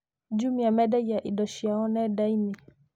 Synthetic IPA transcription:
d͡ʒumijamɛɗajaʔiɗɔʃiaɔnɛɗaimi

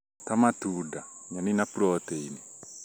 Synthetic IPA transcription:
tamatudaɲaninapuɾɔteini

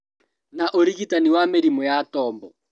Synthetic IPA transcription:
naʔoɾiɣitaniwameɾimɔjatɔːmbɔ

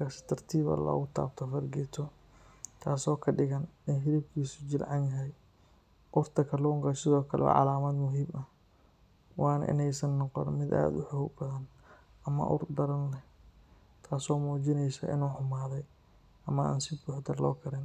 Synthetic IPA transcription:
kʰasɪ̥t̪ʰɐrt̪ʰiːβɐ̰lɔ̰ːɣʊt̪ʰa̰ːb̚t̪ʰɔfɐɾɡɛt̪ʰɔ | t̪ʰaːsɔːkʰɐɖɪɣɐnɛnɦɪɾɪb̚kʰiːsʊd͡ʒɪlʕɑnjɐɦɛj | ʔʊrt̪ʰɐkʰɐlɔːŋkɐsɪðɔːkʰɐlɛ̰ɔ̰ʕɑ̰laːmɐd̪mʊɦiːmɐh | wɑːnɐ̰ʔɪ̰nɛjsɐnːɔqɔ̰nmɪd̪a̰ːd̪ʊħʊhuɡ̚bɐðɐn | ʔɐmɐ̰ʔʊ̰rd̪ɐɾɐnlɛ | t̪ʰaːsɔːmuːt͡ʃɪnɛjsɐ̰ʔɪ̰nuːħʊmaːðɛj | ʔɐmɐa̰ːnsɪbuːħd̪ɐlɔːkʰɐɾɪn

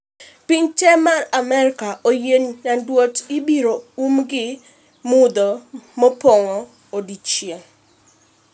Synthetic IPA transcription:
piɲtɛmaramɛɾkaʔojennadwotibiɾoumɡɪ | mʊd̪ɔmɔpɔŋɔ | odit͡ʃjeŋ

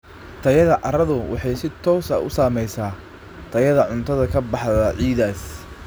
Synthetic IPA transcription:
t̪ʰɐjɐðɐʔɑɾɐðʊwʔɑ̰ħɑjsɪt̪ʰɔːsɐ̰ʔʊ̰saːmɛjsaː | t̪ʰɐjɐðɐʕʊnt̪ʰɐðɐkʰɐbɑħðɐʕiːðaːs

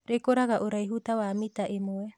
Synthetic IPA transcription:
ɾekoɾaɡaʔoɾajɦutawamitaʔemoe

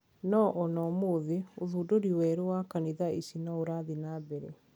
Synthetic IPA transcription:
nɔʔɔnɔmoðioðuːdoɾiwɛːɾuwakaniðaisinɔoɾaðinaːbɛɾe

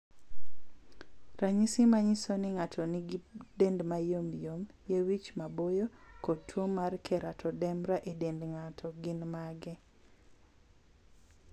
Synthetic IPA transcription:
raɲisɪmaɲisonɪŋatʰɔnidendmajomjom | jewit͡ʃmabojokotʰːwomarkʰɛɾatʰɔdɛmɾaʔedendŋatʰɔɡɪnmaɡɛ

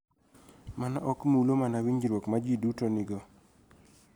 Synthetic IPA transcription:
mana̰ʔɔkmulomanawiɲd͡ʒɾwokmad͡ʒidutonɪɡɔ

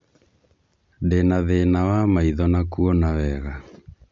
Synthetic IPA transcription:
denaðenawamaiðɔnakuɔnawɛɣa

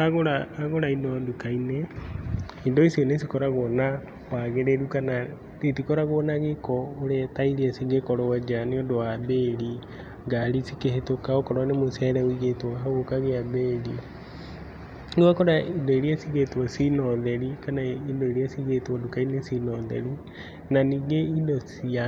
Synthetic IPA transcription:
aɣoɾaːɣoɾainɔdukaine | indɔisionesikɔɾaɣɔna | waɣeɾeɾukana | etikɔɾaɣoɔnaɣekɔoɾɛtaiɾiɛsiɣekɔɾɔwad͡ʒaneodowabeːɾi | ŋɡaɾisikehetokaokɔɾwanemosɛɾɛwiɣetwaɦaɣokaɣeabeɾi | ɡuakɔɾaindoeɾiasiɣetwɔsinɔðɛɾikanaindoeɾiasiɣetwɔdukainesinɔðɛ̰ɾi | naniːɡeindosia

